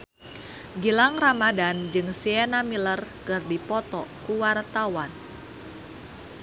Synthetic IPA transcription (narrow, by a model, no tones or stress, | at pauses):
ɡilaŋramadand͡ʒɨŋsiɛnamilərkɨrdipɔt̪ɔkuwart̪awan